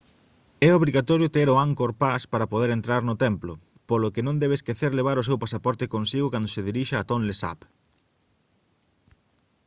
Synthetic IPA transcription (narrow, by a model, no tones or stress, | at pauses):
ɛoβɾiɣat̪ɔɾjʊt̪eɾoaŋkoɾpaspaɾɐpoðeɾent̪ɾaɾnʊt̪ɛmplo | polokenõnd̪ɛβ̞eskeθeɾleβaɾʊsewpasapɔɾt̪ekonsiɣʊkand̪ʊseðiɾiʃaat̪onlesa̰p